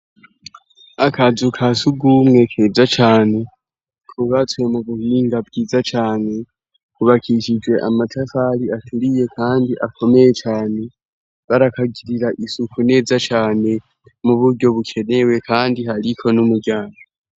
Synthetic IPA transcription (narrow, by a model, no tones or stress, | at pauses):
akʰazukʰasuɡumŋe̞kʰeːzat͡ʃaːne̞ | kʰuβatwe̞muβuhiːŋɡabɡiːzat͡ʃaːne̞ | kuβakʰiʃid͡ʒwe̞ʔamatʰafaɾiatʰuɾije̞kʰaːndiʔakʰo̞me̞je̞t͡ʃaːne̞ | βaɾakaɡiɾiɾaʔisukʰune̞ːzat͡ʃaːne̞ | muβuɾɟo̞βukʰe̞ne̞we̞kʰaːndiɦaɾikʰo̞numuɟaːŋɡo